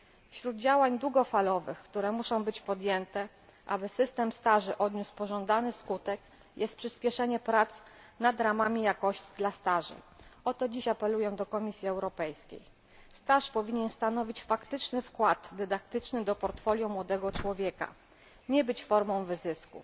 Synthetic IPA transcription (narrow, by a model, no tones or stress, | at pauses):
fɕɾud̪d͡ʑawaɲd̪wuɡɔfalɔvɘxkt̪uɾɛmuʂɔ̃w̃bɘt͡ɕpɔd̪jɛnt̪ɛ | ʔa̰bɘsɘst̪ɛmst̪aʐɘʔɔd̪ɲuspɔʐɔnd̪anɘskut̪ɛk | jʔɛst̪̚pʂɘspʲjɛʂɛɲɛpɾat̪s | nad̪ɾamamʲijakɔɕt͡ɕi̥d̪last̪aʐɘ̰ʔɔt̪ɔd͡ʑiɕapɛlujɛd̪ɔkɔmʲisʲjiɛwɾɔpɛjskʲḛj | st̪aʂpɔvʲiɲɛnst̪anɔvʲit͡ɕfakt̪ɘt͡ʂnɘfkwad̪ːɛd̪ak̚t̪ɘt͡ʂnɘd̪ɔpɔɾt̪fɔlʲjũmwɔd̪ɛɡɔt͡ʂwɔvʲjɛka̰ | ɲɛbɘt͡ɕfɔɾmɔ̃w̃vɘzɘskṵ